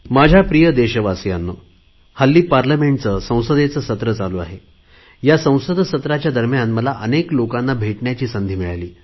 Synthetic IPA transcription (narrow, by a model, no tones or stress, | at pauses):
mad͡ʑʱapɾijəd̪eɕəʋasjanːo | həlːiːpaɾləmeɳʈt͡səsə̃w̃səd̪et͡səsət̪ɾət͡saloa̰ɦe | jasə̃w̃səd̪ʱsət̪ɾat͡ɕjad̪ʱəɾmjanməlaʔəneklokãnːabʱeʈɳjat͡ɕiːsənd̪ʱiːmiɭaliː